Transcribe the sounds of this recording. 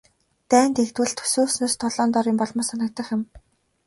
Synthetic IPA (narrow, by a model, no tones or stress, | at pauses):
t̪æːnt̪ext̪wɘ̆ɮt̪ʰːɵ̥suːsnoːst̪ʰɔɮɔːnt̪ɔːɾɪ̆mpɔɮmɔːsanə̆k̚t̪ə̆χjʊ̆m